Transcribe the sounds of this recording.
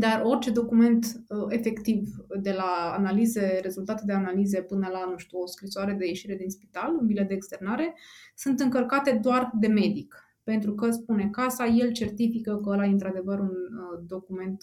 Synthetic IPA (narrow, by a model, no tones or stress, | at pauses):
d̪aro̞rt͡ʃe̞d̪o̞kume̞nt̪e̞fe̞kt̪ivd̪e̞laːnalize̞ɾe̞zult̪at̪ed̪e̞analize̞pɨnəlanuʃt̪uoskɾisoaɾe̞d̪e̞je̞ʃiɾe̞d̪inspi̥t̪alunbiled̪eːkst̪e̞rnaɾe̞sɨnt̪ɨŋkəlkat̪e̞d̪oard̪e̞me̞d̪ik | pe̞nt̪ɾukəspune̞kasaje̞lt͡ʃe̞rt̪ifikəkəəlajeɨnt̪ɾad̪e̞vəɾund̪o̞kume̞nt̪